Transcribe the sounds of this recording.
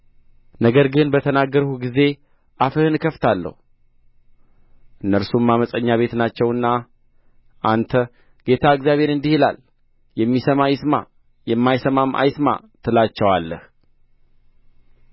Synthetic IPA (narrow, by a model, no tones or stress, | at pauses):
nəɡəɾɡɨnbət̪ʰənaɡːəɾhuɡize̞ | ʔafɨhɨnkʰəft̪ʰalːə̰hu | ʔɨnːəɾsumːaməsʼəɲːaβe̞t̪nat͡ʃːɛwɨnːa | ʔant̪ʰə | ɡ̥e̞t̪ʰaɨkzjaβe̞ɾɨnd̪ihila̰l | jɛmːisəmajɪsma̰ | jɛmːajsəmamʔa̰jɪsma̰ | t̪ʰɨlat͡ʃːɛwalːəh